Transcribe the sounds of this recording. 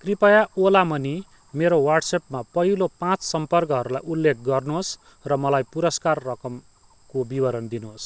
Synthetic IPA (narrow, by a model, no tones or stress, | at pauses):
kripʌjaolamʌni | meɾowarʈsep̚mapʌɦilopãt͡ssʌmpʌrkʌɦʌɾula̰julːek̚ʰɡʌrnuɦos | rʌmʌlajpuɾʌskarːʌkʌm | kobibʌɾʌnd̪inuɦos